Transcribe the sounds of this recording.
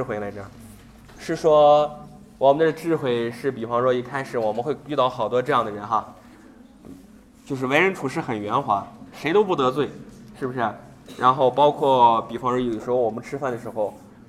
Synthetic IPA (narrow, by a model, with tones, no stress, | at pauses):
xwe˧˥ɪla˧˥t̪ɑ˥˩ | ʂɻ̩˥˩ʂwɔ˥ | wɔ˨˩mə˦nd̪ə˥˩ə˧ʈ͡ʂɻ̩˥˧xwe˥˩ɪʂɻ̩˥˩pi˨˩fɑ˥ŋʂwɔ˥i˧˥kʰa˥ɪʂɻ̩˨˩wɔ˨˩mə˦nxwe˥˧ɪy˥˧t̪ɑ˥˩ʊxɑ˨˩ʊt̪wɔ˥ʈ͡ʂɤ˥˧jɑ˥˩ŋd̪ə˩ɻə˧˥nxa˥˧˥ | t͡ɕjo˥˧ʊʂ̬ɻ̩˥˩we˧˥ɪɻə˧˥nt̪ʰu˧˥ʂɻ̩˥˩xə˨˩nɥɛ˧˥nxwa˧˥ʂe˧˥ɪt̪o˥ʊp̬u˥˩t̪ɤ˧˥t͡swe˥˩ɪʂɻ̩˥˩bu˩ʂɻ̩˥˩ | ɻʔa˧˥nxo˥˩ʊpɑ˥ʊkʰwɔ˥˩pi˨˩fɑ˥ŋɻə˧˥i˨˩d̪ə˩ʂɻ̩˧˥xo˧wmə˦nʈ͡ʂʰɻ̩˥fa˥˩nd̪ə˩ʂɻ̩˧˥xo˥˧ʊ